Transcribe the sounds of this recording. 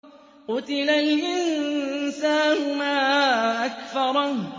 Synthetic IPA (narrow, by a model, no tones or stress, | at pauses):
qʊt̪ɪlalʔɪnsaːnʊʊmaːʔakfɑɾˤɑ